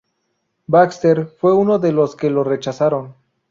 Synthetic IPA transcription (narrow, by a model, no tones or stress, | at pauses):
bakst̪eɾfwe̞uno̞ðelo̞skelo̞re̞t͡ʃasaɾon